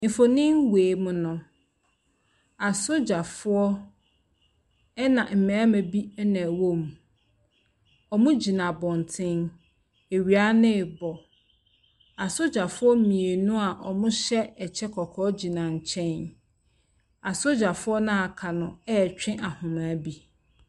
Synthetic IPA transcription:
ɪ̃˨fo˨nɪ̃˦nweː˨mʊ̃˦nʊ̃˨ | a˨sʊ˦d͡ʑa˨fʊ˦ɔ˦ | ɛ˦nã˨m̩˨mɛ̃˨a˦mæ̃˨bi˦ɛ˦næ̃˨wo˦m˨ | ɔ˨mʊ̃˦d͡ʑi˨nã˨bɔ̃˨n˨tʰɪ̃˦n | e˨ɥi˨a˦nɪ̃˦˨bɔ˨ | a˨sʊ˦d͡ʑa˨fʊ˦ɔ˦mĩ˨e˨nũ˦a˨ʔɔ˨mʊ̃˦ɕɛ˦ɛ˨t͡ɕʰɛ˦kʰɔ˨kʰɔː˦d͡ʑi˨nã˨ɲ̩˨t͡ɕʰɛ̃˦n | a˨sʊ˦d͡ʑa˨fʊ˦ɔ˦nã˦a˨kʰa˨nʊ̃˨ɛ˦˨t͡ɕᶣɪ̃˦ʔa˨hʊ̃˨mã˨˦bi˦

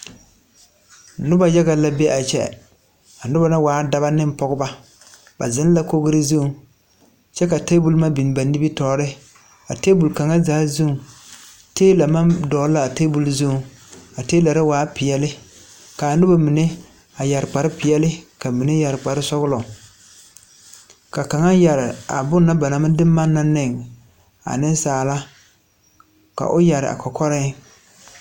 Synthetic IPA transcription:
nʊ˦ba˨ja˦ɣa˨la˦be˦ʔa˨t͡ʃɛ̰˦ | a˨nʊ˦ba˦na˦waː˨˦da˦ba˦nɪ˦m˦pɔ˦ɣʊ˦ba˦ | ba̰˨zɪ˦n˦la˦ko˦ɣɪ˦ɾɪ˦zu˦˨ | t͡ʃɛ˦ka˨te˦bu˦lma˦bi˨n˨ba˨nːi˦bi˦tɔː˨˦˨ɾɪ˦ | a̰˨teː˦bu˨lka˨ŋa˦zaː˨˦zu˦˨ | teː˦la˨ma˦mdɔː˨˦la˦˨a˨teː˦bu˨lzu˦˨ | a˨teː˦la˨ɾa˦waː˨˦pɪ˨jɛ˨lɪ˦ | ka˨nʊ˦ba˦mi˨ne˦ | a˨ja˨ɾɪ˨k͡pa˨ɾɪ˦pɪ˨jɛ˦lɪ˦ka˨mi˨ne˦ja˨ɾɪ˨k͡pa˨ɾɪ˦sɔ˦ɣʊ˦lɔ˨ | ka˨ka˨ŋa˦ja˨ɾɪ˨a̰˨bʊ˦nːa˦ba˨na˨ma˦dɪ˦mː˦a˦nːa˦nɪ˦˨ŋ | a̰˨nɪ˦n˦saː˨la˦ | ka̰˨ʔʊ˦ja˨ɾɪ̰˨ʔa̰˨kɔ˨kɔ˦ɾɪ˦

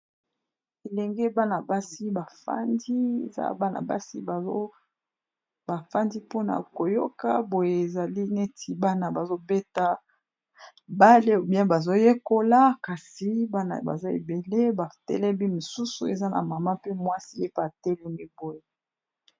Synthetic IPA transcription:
e˨lɛ˨ŋɡɛ˦ba˦na˨ba˦si˦ba˨fa̰˦ndi˦ḛ˨za̰˦ba˦na̰˨ba̰˦si˦ba˨o˦ | ba˨fa˦ndi˦po˦na̰˨ko˨jo̰˦ka˦bo˨je˨e˨za˨li˦ne˦tʰi˨ba˦na˨ba˨zo˦be˦ta˦ | ba˦le˦o˨bjɛ̃˦nba˨zo˦je˦ko˦la˦ka˨si˨ba˦na̰˨ba̰˨zo˦ḛ˨be˨le˦ba˨tɛ̰˦lɛ˦bi˦mo˨su˦sṵ˨e˨za˦na̰˨ma˨ma˦pe˦mwa˦si˦e˦pa˦a˨tɛ˦lɛ˨ŋi˦bo˦je˨

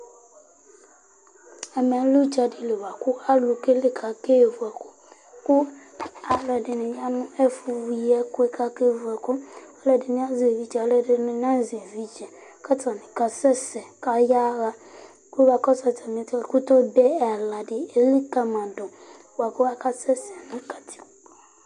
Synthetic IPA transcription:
ɛ˨mɛ̃˨˦lu˦d͡ʒa˨dɪ˨le˨wa˨kʰʊ˦a˦lʊ˨ke˦le˨kʰa˨ke˦˨vu˨a˨kʊ˦ | kʊ˦a˨lɛ˨dɪ˨nɪ̃˨ɲ˦ã˦nʊ̃˦ɛ˦fu˦wu˨jɛ˦kʊ˦ɛ˦kʰa˦ke˦˨vu˨a˨kʊ˦a˨lɛ˨dɪ˨nɪ̃˦ã˦zi˨vi˦d͡ʒɛ˨a˨lɛ˨dɪ˨nʊ̃˨n˦ã˦zi˨vi˦d͡ʒɛ˨ | ka˦tʰa˨nɪ̃˨ka˨sɛ˦sɛ˨ka˦ja˦ɣa˦ | ku˦ba˨kɔ˦sa˨tʰa˨mĩ˨˦tkʊ˦tɔ˦bɛ˦ɛ˨la˨dɪ˨e˨li˦ka˨mã˨dʊ˨ | wa˨kɔ˦wa˦ka˦sɛ˦sɛ˨nʊ̃˦kʰa˨tʰi̥˦k

